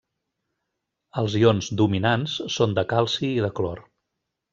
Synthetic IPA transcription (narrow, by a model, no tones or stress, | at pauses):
əlˠzionzd̪uminansːond̪əkalˠsiːðəklɔr